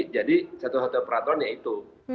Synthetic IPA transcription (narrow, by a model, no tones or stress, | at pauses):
d͡ʒadisat̪usat̪upəɾat̪ɔanjait̪u